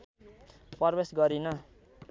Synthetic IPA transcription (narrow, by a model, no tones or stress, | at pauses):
pʌrbesɡʌɾinʌ